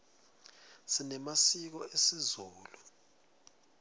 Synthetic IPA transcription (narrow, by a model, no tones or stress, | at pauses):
sinɛmasik̬ɔesizɔːlu